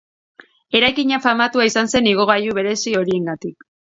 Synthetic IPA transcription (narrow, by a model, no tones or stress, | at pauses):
e̞ɾajkiɲafamat̪uaisanse̞niɣ̞o̞ɣ̞ajuβe̞ɾe̞sio̞ɾie̞ŋɡat̪ik̚